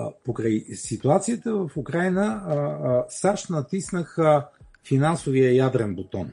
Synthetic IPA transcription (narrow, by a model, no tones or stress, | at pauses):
pokɾajsit̪uat̪sijət̪əvəfukɾajnə | saʃt̪nɐt̪isnəxə | finansovijəjad̪ɾɛnbot̪ɔn